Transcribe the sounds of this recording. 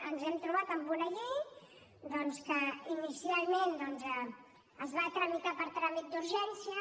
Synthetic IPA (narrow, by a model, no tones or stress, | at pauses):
ənzɛmt̪ɾuβat̪əmbunəʎi | d̪ɔnskəinisialˠmend̪ɔnzə | əzβat̪ɾəmit̪apəɾt̪ɾamit̪̚d̪uɾʒɛnsiə